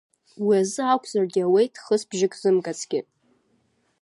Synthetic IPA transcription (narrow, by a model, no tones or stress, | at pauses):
wiazɨakʷʰʼzarɡʲɪawejtʰʼχəsbʒɪkʼzɨmkʼat͡sʼʰɡʲɪ